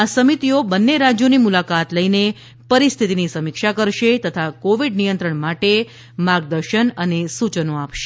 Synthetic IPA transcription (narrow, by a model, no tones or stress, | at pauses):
asəmit̪iobənːeɾad͡ʒjonimulakat̪ləine | pəɾist̪ʰit̪inisəmikʃakəɾʃet̪ət̪ʰakoʋiɖnijənt̪ɾəɳmaʈe | maɾɡ̚d̪əɾʃənənesut͡ʃənoapʃe̥